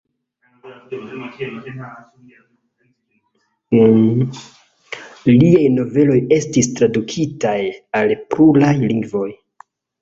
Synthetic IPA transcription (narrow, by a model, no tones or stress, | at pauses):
liajno̞ve̞lo̞je̞stistɾadukʰitajalpɾulajliŋɡvo̞j